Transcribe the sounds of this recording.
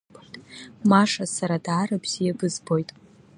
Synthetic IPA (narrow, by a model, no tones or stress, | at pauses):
maʂasaɾadaːɾabz̥ijabɨzbo̞jtʼ